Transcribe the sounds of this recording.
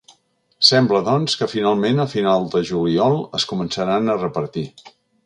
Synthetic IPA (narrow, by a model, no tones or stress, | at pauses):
sɛmbləðɔnskəfinalˠmenəfinalˠd̪əʒuliɔlˠəskumənsəɾanərəpəɾt̪i